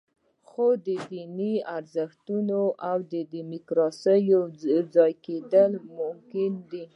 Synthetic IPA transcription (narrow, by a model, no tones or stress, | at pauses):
xod̪əd̪iniaɾzəxt̪unoʔawd̪əd̪imɪkɾɑsəjod͡zɑjked̪əlmʊmkɪnd̪i